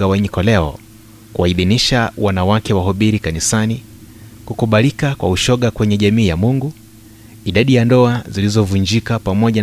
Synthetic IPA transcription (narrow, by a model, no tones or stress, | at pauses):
awɛɲikɔlɛɔ̰ | kuwaiðiniʃawanawakɛwaɦɔɓiɾikanisani | kukuɓalikakwa̰uʃɔɠakwɛɲɛʄamiːjamuŋɡu | iɗaɗijandɔazilizɔvuɲd͡ʒikapamɔʄa